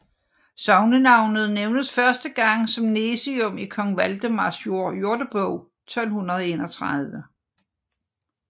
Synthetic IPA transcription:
sɑ̈ʊnənɑ̈ʊ̰nð̞̩ˠneʊnəsfɶɐsd̥əɡ̥ɑ̈ŋ̰sɒ̽mnesiɔ̽mikʰɒ̽ŋʋæld̥əmɑsjo̝ɐ̰jo̝ɐd̥əb̥ɔʊ | t͡sʰɒ̽l̰hunʁɐð̞̩ˠe̝ːnɒt͡sʰʁað̞ˠʋə

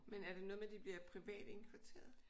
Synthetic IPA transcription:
menæɐɾ̥e̝nɔ̽ð̞̩ˠmed̥ib̥liɐpʰʁiʋɛ̰ːd̥e̝ŋkʰʋæt͡sʰe̝̰ːɐðˠ

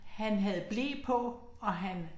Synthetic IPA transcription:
hænɦæð̞̩ˠb̥leːpʰɒ̽ | ɒ̽ɦæn

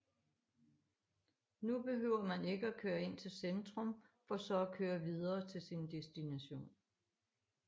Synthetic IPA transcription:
nub̥e̝ɦøʊ̰ɐmæne̝ɡ̥əækʰøːɐe̝n̰t͡sʰe̝lsend̥ʁɔ̽mfɒ̽sɒ̽ækʰøːɐʋiðˠɐːt͡sʰe̝lsind̥esd̥inæɕo̝̰ːn

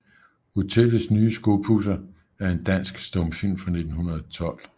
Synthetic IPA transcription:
hut͡sʰelsnyːəsɡ̥o̝ːpʰusɐ | æɐe̝nd̥æn̰sɡ̥sd̥ɔ̽mfin̰fɑ̈ne̝d̥n̩hunɐð̞̩ˠɒt͡sʰɒ̽l̰

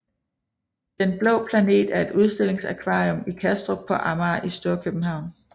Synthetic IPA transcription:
d̥enb̥lɔ̰̽ːpʰlæne̝̰ːd̥æɐe̝d̥uð̞ˠsd̥e̝l̰e̝ŋsækʰʋɑ̈ːiɔmikʰæsd̥ʁopʰɒ̽ʔɑmɑːʔisd̥o̝ːɐkʰøb̥̚n̩ɦɑ̈ʊ̰n

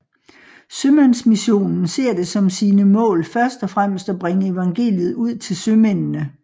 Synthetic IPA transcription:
sømænsmiɕo̝̰ːnn̩se̝ɐ̰d̥e̝sɒ̽msiːnəmɔ̰̽ːlfɶɐsd̥ɒ̽fʁam̰sd̥ɒb̥ʁeŋəe̝ʋɑ̈ŋɡ̥e̝̰ːljð̞̩ˠuð̰ˠt͡sʰe̝lsømennə

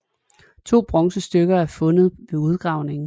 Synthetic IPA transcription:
t͡sʰo̝̰ːb̥ʁɒ̽ŋsəsd̥øɡ̥ɐæɐfɔ̽nð̞̩ˠʋe̝uð̞ˠɡ̥ʁɑ̈ʊne̝ŋ

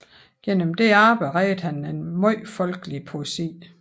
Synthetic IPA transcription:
ɡ̥en̰əmd̥e̝ɑːb̥əʁɛːɪdˠhænenmɔɪ̰fɒ̽lɡ̥əlipʰo̝esḭː

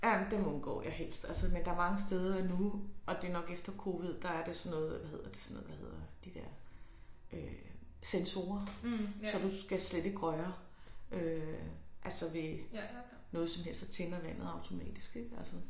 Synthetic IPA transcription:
jæd̥emonɡ̥ɔ̰̽ːjæɦel̰sd̥ælsəmend̥ɑ̈æɐmɑ̈ŋəsd̥eð̞ˠɐænuʔɒ̽d̥e̝nɒ̽ɡ̥efd̥ɐkʰo̝ːʋið̞̰ˠd̥ɑ̈æɐd̥e̝sɒ̽nːɔ̽ːð̩ˠʋæhe̝ð̰ˠɐd̥e̝̥sɒnɔːð̩ˠʋæhe̝ð̞̰ˠɐed̥id̥eɐ̰ | ʔø | senso̝ːɐsɒ̽d̥usɡ̥æsled̥iɡ̥ʁɒɐ | ʔø | ʔælsɐʋe̝ | nɔ̽ːðˠsɒ̽mhɦel̰sd̥æt͡sʰe̝nɐʋæn̰ð̩ˠɑ̈ʊt͡sʰo̝mɛ̰ːd̥isɡ̥eɡ̥ælsə

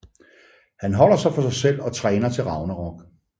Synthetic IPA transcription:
hænɦɒ̽l̰ɐsɑ̈ɪfɒ̽sɑ̈ɪsel̰ɒ̽t͡sʰʁɛːnɐt͡sʰe̝lʁɑ̈ʊnəʁɒɡ̥

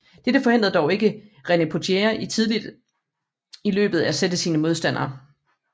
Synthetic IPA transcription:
d̥ed̥əfɒ̽e̝n̰d̥ɐðˠd̥ɒʊe̝ɡ̥əʁenepʰo̝t͡sʰeɐʔit͡sʰið̞ˠlid̥ | ilø̰ːb̥ð̞̩ˠææsed̥əsiːnəmo̝ð̞ˠsd̥æn̰ɐː

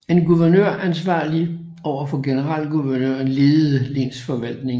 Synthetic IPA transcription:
e̝nɡ̥uʋæɐnøɐ̰ænsʋɑ̰̈ːli | ɒʊ̰ɐfɒ̽ɡ̥e̝nəʁɑl̰ɡ̥uʋæɐnøɐ̰nleːð̩ˠəle̝̰nsfɒ̽ʋæl̰d̥ne̝ŋ

